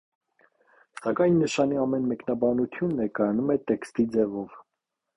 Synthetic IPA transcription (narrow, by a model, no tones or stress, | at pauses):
sɑkɑjnːəʃɑniɑmɛnmɛknɑbɑnut̪ʰjunːɛɾkɑjɑnumɛt̪ɛkst̪id͡zɛvɔv